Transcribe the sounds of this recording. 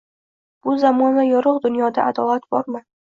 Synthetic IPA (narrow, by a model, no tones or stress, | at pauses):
b̥ʊzamɒnajɒɾʊqd̪ʊnjɒd̪aad̪ɒlˠat̪bɒɾmɪ